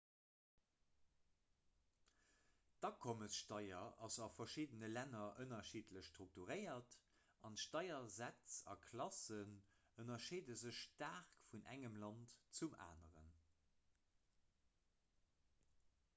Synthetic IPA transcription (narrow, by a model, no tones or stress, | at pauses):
d̥ɑkʰoməsʃtɑɪɐɑ̰zɑfɐʃiːdənəlænɐʔənɐʃiːtləɕʃtʁuk̚tuʁəɪɐt | ɑntʃtɑɪɐzæt͡sɑ̰kʰlɑsənənɐʃiːdəzəɕʃtaːʁkfunʔæ̰ŋəmlɑntt͡suma̰ːnəʁə̰n